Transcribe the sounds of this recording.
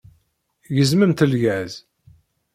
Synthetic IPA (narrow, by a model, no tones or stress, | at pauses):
jəzməmt̪əlʝæz